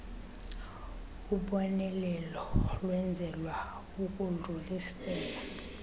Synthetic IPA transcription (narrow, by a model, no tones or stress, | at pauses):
uɓɔnɛlɛlɔlwɛnd͡zʱɛlwa | uk̬ʼunʱulisɛːla